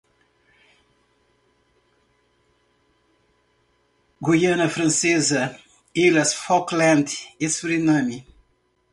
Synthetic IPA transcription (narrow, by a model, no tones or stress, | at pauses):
ɡojɐnɐfɾɐ̃nsezɐ | ilɐsfɔklɐ̃nd̪esuɾinɐ̃mi